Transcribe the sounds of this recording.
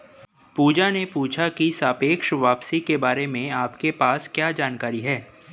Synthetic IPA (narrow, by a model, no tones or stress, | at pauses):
puːd͡ʒanepuːt͡ʃʰakisaːpeːkʃʋaːpsikebaːɾemẽaːpkepaːskjaːd͡ʒaːnkaːɾiɦɛː